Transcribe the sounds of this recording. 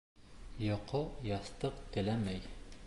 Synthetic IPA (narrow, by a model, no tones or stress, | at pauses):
jŏqojɑst̪ɤqt̪ɘ̆læmæj